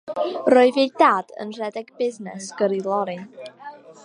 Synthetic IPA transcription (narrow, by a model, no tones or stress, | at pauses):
roɨvidaːdə̰nr̥ɛdɛɡbɪznɛsɡ̥əɾilˠɔɾin